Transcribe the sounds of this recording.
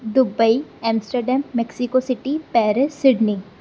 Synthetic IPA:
d̪ʊbəiɛ̃ːmsʈəɾɖɛ̃ːmːɛksɪkosɪʈipɛːɾesːɪɖni

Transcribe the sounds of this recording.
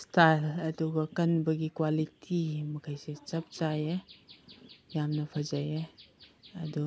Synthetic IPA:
stʰalɐduɡɐkɐnbɐɡikwalitʰimɐkʰajset͡ʃɐp̚t͡ʃaje | jamnɐpʰazaje | ɐdu

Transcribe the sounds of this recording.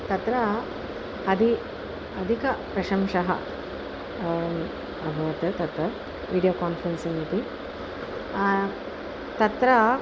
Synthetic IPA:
t̪ɐt̪ɾɐ | ɐd̪ʱi | ɐd̪ʱikɐpɾɐʃɐmʂɐɦɐ̰ | ɐbʱɐʋɐt̪ɐt̪ɐt̪ɾɐ | ʋiːɖijoːkaːnfɾɐnsinit̪i | t̪ɐt̪ɾɐ

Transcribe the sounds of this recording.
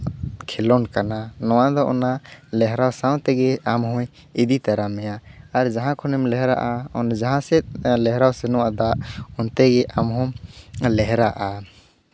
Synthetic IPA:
kʰɛlɔnkananɔwad̪ɔʔɔnalɛɦɾawsawt̪ɛɡɛamɦɔ̃j | id̪it̪aɾamɛjaːɾd͡ʒaɦãkʰɔnɛmlɛɦɛɾa̰ʔaɔnd͡ʒaɦãsɛlɛɦɾawsɛnɔwad̪aʔɔnt̪ɛɡɛʔamɦɔmlɛɦɛɾaʔa

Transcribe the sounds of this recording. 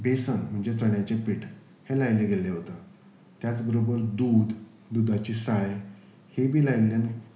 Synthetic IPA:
besənm̤əɳd͡ʑet͡səɳjat͡ɕepiʈ | helajleɡʱeleɦot̪ə | t̪jat͡sbəɾobəɾd̪uːd̪ | d̪ud̪at͡ɕiːsaj | hebʱiːlajljan

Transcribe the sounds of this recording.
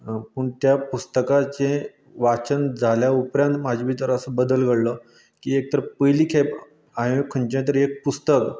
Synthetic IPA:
pəɳt̪japust̪əkat͡se | ʋat͡ɕənd͡zʱaljaupɾjãnt̪mad͡ʑʋiːt̪əɾəsəbəd̪əlɡəɽlə | kiːek̚t̪əɾpəjliːkʰap | ãɦeekʰəɳt͡ɕãt̪̬əɾek̚pust̪ək

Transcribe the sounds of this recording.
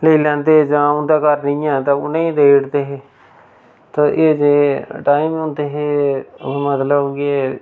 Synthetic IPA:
leilɛ̃ːnd̪eːed͡ʒãːʊ̃nd̪aːkəɾnɪ̃ːãːt̪ãːʊnẽĩːd̪eːɽt̪eːɦeː | t̪ãːʔeːd͡ʒeːʈaːiːmõnd̪eːɦeː | mət̪ləbɡeː

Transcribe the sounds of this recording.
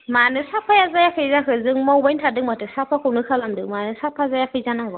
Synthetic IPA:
manɨsapːajazajakəzakəzɨŋmawbantadɨŋmatɨsapːakonɨkalamdɨmaːnɨsapːazajakɨzanaŋɡɔ

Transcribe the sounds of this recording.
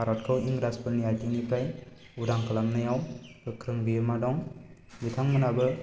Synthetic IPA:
aɾɔt̚kʰɯwiŋɡɾaspɯniajʈinipʰaj | udaŋkalamnajawkɯkʰɾɯŋbimadɔŋbit̪ʰaŋmənabɯ

